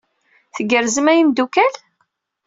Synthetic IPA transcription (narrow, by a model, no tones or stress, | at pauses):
θəɡəɾzəmæjimd̪ukæl